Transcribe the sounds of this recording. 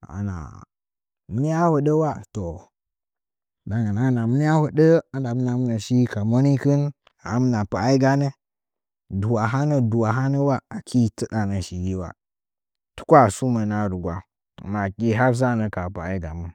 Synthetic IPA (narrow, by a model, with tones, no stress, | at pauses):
a̰˨na̰˨ | mə˦n˦a˦hu˨ɗə˦wa˦to˨ | da˨ŋɡə˨na˦na˨mi˦n˦ja˦hu˨də˦a˦nda˨mə˦na˨m˦na˨ʃi˦ka˨mo˦ni˦kɨ˦n˨ | a˨˦m˦na˨pa˨˦i˦ɡa˦ne˦ | du˨wa˨ɦa˦nə˦du˨wa˨ɦa˦nə˦wa˦a˨kʰi˦tə˦ɗa˨nə˨ʃi˨ɡi˦wa̰˨ | tu̥˦kʷa˦˨su˦mə˨na˦ɾu˨ɡwa˦˨ | ma˨ki˦ɦa˦ɾs̬a˦˨nə˨ka˨pa˨˦i˦ɡa˨mə˦n